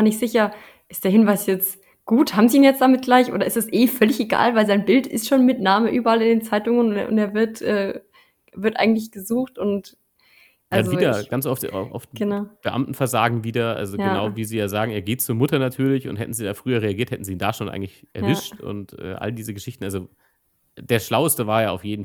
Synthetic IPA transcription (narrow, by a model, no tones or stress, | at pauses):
nɪçtz̥ɪçɐ | ʔɪsd̥eːɐhɪnvaɪsjɛt͡s | ɡ̥uːthaːbm̩ziːiːnjɛt͡sd̥amɪt̚ɡ̥laɪçʔo̰ːdɐɪstasʔeːfœlɪçeɡa̰ːlvaɪlzaɪnbɪltɪ̰stʃoːnmɪtnaːməʔyːbɐalɪndeːnt͡saɪtʊŋənʊʊ̰nteːɐvɪɐtʔɛː | vɪɐtʔa̰ɪɡŋ̩tlɪç̬ɡ̥əzuːxtʊnt | ʔaldanzoviːdɐɡ̥ant͡sʔɔftʔɔ̰ftɡ̥ənaʊb̥əʔa̰mtn̩fɛɐza̰ːɡŋ̩viːdɐʔa̰lzojɡənnaʊviːziːjaːzaːɡŋ̩eːɐɡeːtt͡suːɐmʊtɐnatʰyːɐlɪçʊ̰nthɛ̰tn̩ziːdaːfʁ̥yːɐʁeaɡiːɐthɛtn̩ziːnda̰ʃoːnʔa̰ɪɡŋ̩tlɪçʔɛ̰ɐvɪʃtʊ̰ntʔɛ̰ːʔa̰ldiːzəɡəʃɪçtn̩alzo | d̥eːɐʃlaʊəstəvaːɐjaːaʊfjeːdn̩